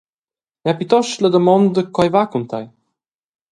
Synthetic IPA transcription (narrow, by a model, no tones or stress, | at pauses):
japit̪ɔʃləd̪əmɔnd̪əkajvakunt̪aj